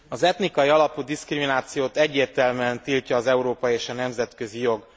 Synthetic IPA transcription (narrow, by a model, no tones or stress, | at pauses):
ɒzɛt̪nikɒjiɒlɒpud̪iskriminaːt̪sijoːt̪ɛɟːeːrt̪ɛlmɛnt̪ilcɒːzɛuɾoːpɒjieːʃɒnɛmzɛt̪kø̞zijo̞ɡ